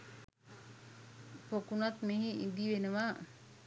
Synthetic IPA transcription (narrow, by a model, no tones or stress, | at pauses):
pokunat̪meɦiʔḭd̪iʋenəʋa